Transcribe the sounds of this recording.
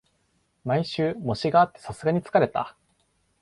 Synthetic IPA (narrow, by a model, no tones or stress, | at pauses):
maiɕɨːmo̞ɕiɡaːt̪ːe̞sasɨɡaɲ̟it͡sɨ̥kaɾe̞t̪a̰